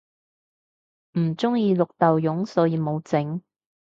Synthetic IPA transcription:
m̩˨˩t͡sʊ˥ŋjiː˧lʊ˨k̚t̪ɐ˨wjʊ˨˥ŋsɔː˨˥jiː˨˧mo˨˧wt͡sɪ˨˥ŋ

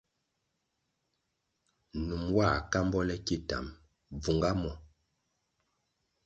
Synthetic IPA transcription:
nu˨mwa˦˨ka˦mbɔ˦lɛ˦ki˦ta̰˨m | b͡vu˨ŋɡa˦mɔ˨

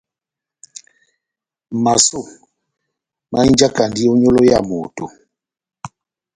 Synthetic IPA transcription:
ma˨so˦˨ | ma˦i˦d͡ʒa˦ka˨ndi˦o˦ɲo˦lo˦ja˦˨mo˨to˨

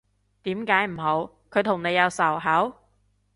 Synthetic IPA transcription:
t̪iː˨˥mkaː˨˥jm̩˨˩ɦo˨˧˥w | kʰɵ˨˧jt̪ʰʊ˨˩ŋne˨˧jɐ˨˧wsɐ˨˩wɦɐ˨˥w

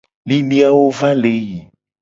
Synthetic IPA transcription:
li˦nĩ˦a˦wo˦vã˦le˨˦ji˨

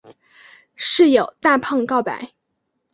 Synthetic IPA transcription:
ʂɻ̩˥˩jo˨˩ʊt̪a˥˧pʰɑ˥˧ŋkɑ˥˩ʊpa̰˨˩˦ɪ

